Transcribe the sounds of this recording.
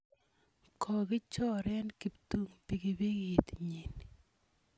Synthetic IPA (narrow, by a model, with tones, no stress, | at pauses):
kʰɔ˨ɡɪ˦t͡ʃɔ˦ɾɛ˦nki˨pt̪u˦ŋpi˨ɡi˨bi˦ŋi˨t̪ɲi˨n